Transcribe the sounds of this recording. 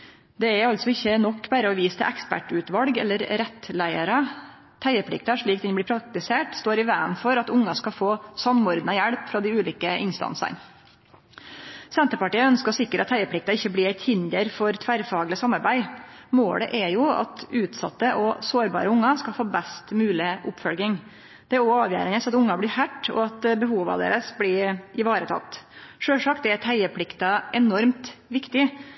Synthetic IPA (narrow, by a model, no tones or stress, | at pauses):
d̪ɛɛɾɑlt̪sɔɪçːənɔkːbæːɾəɔʋiːst̪ʰɛ̰ʔɛkspæ̰ʈʉt̪ʋɑlɡɛ̰lːəɾɾɛt̪læɪəɾɑ | t̪ʰæɪəpʰɽɪ̰k̚t̪ɑʂɭiːkd̪ɛnbɽɪːɾpʰɾɑk̚t̪ɪseːʈst̪oːɾɪʋæːənfɔɾɑt̪ʊŋːɑskɑfoːsɑmɔɾd̪nɑjæɽpfɾɑːd̪ɪʉːliːkəɪnst̪ɑ̰nsɑ̰n | sɛnt̪əpɑʈiːəœnskəɔsɪkːəɾʔɑt̪ʰhæɪəplɪk̚t̪ɑɪçːəbliːæɪt̪hɪnd̪əɾfɔɾt̪ʰʋæɾfɑːɡlɪsɑmɑɾbæɪmoːlə̰ʔɛjʊɑ̰t̪ʉːt̪sɑ̰t̪ːəʔɔsoːɾbɑ̰ːɾəʊŋːɑskɑlfoːbɛst̪mʉːlɪʔʊpfœlɡɪŋ | d̪̥ɛæɾoɑːʋjæ̰ːɾənəsɑt̪ʊŋːɑbɽɪhæʈːɔ̰ɑt̪bəhuːʋɑ̰d̪ḛːɾəsbɽɪɪʋɑːɾət̪ʰɑ̰t̪ːʂøːʂɑkt̪æt̪ʰæɪəpʰɽɪkt̪ɑʔɛnɔɾmt̪ʋɪkt̪ɪ